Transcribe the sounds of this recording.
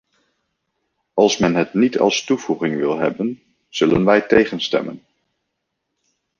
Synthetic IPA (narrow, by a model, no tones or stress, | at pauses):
ɑlˠsmɛnɦətnitʰɑ̰lˠstuvuχɪŋʋɪlˠɦɛbən | z̥ɵlənʋɛjtejχənstɛ̰mən